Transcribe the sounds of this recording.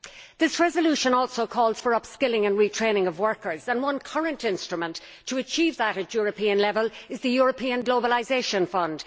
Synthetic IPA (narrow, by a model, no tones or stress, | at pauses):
ðɪsɹɛzəljʉʃə̃nɔˑlˠsoʊkʰɔːlˠz̥fə˞ʌpskɪlɪ̃ŋə̃nɹitʰɹ̥ẽɪ̃nɪ̃ŋʌvwɜ˞kə˞zə̃nwʌ̃nkʰʌɹə̃ntɪ̃nstɹ̥əmə̃ntʰ | əːt͡ʃʰiːvðəɾɨtjɔːɹəpʰĩə̃nlɛvəlˠɪzðəjɔɹəpʰĩə̃nɡloʊbəlaɪzeɪʃə̃nfʌ̃nd̥